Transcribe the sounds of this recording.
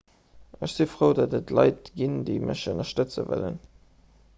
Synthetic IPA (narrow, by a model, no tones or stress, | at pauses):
əʃz̥ifʁoʊdɑdətʰlɑɪtɡ̥indeɪməʃənɐʃtət͡sə̰væ̰lə̰n